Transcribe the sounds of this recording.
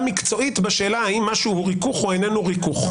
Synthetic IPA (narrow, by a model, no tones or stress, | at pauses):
mikt͡so̞it̪beʃe̞ːlaaimːaʃuhuʁikuχoenenuʁikuχ